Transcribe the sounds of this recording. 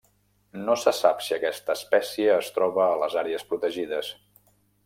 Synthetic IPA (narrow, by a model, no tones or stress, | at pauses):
nosəsapsiəkɛst̪əːspɛsiəːst̪ɾɔβəːləzaɾeəspɾut̪əʒiðəs